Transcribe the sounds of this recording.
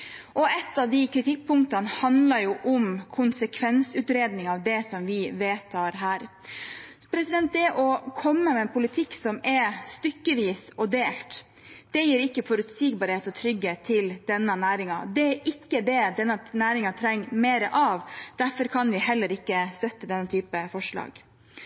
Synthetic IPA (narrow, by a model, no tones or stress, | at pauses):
ʔɔɛt̪ːɑʋd̪ɪkʰɾɪt̪ʰɪk̚ːpʰʊŋkt̪ɑnhɑnd̪lɑɾjʊʔʊmkʰʊnsəkʰʋɛnsʉːt̪ɾeːd̪nɪŋɑʋd̪ɛsɔmʋɪʋeːt̪ʰɑːɾɦæːɾ | pʰɾɛsɪd̪ɛnt̪̚d̪ɛʔɔkʰɔmːəmɛːnpʰʊlɪt̪ʰɪkːsɔmɛst̪ʏkːəʋiːsɔd̪eːlt̪ | d̪̥ɛjiːɾɪkːəfɔɾʉt̪siːɡbɑɾheːt̪ɔt̪ʰɾʏɡheːt̪ʰːɪld̪ɛnːənæːɾɪŋɑ̰d̪ɛɾʔɪkːəd̪ɛd̪ɛnːɑnæːɾɪŋɑt̪ʰɾɛŋːmeːɾəʔɑʋd̪̥æɾfɔɾkʰɑnʋɪɦɛlːəɾɪkːəst̪œt̪ːəd̪ɛnːət̪ʰyːpəfɔʂɭɑ̰ːɡ̥